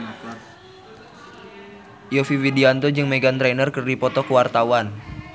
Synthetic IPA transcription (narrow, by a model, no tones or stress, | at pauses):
jofiwidiant̪ɔd͡ʒɨŋmeɡant̪ɾɛnərkɨrdipɔt̪ɔkəwart̪awan